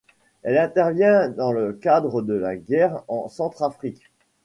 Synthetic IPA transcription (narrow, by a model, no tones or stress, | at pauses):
ɛlɛ̃t̪ɛʁvjɛ̃d̪ɑ̃ləkad̪ʁəd̪əlaɡɛʁɑ̃sɑ̃t̪χafχik